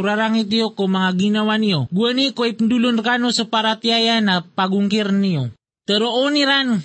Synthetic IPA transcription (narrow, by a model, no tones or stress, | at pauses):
ɾaɾaŋit̪̬iokomaŋaɡinawanioɡuənikoipəndulunrkanosəpaɾat̪iajanapaɡuŋkirnio | t̪əɾoʔoniɾan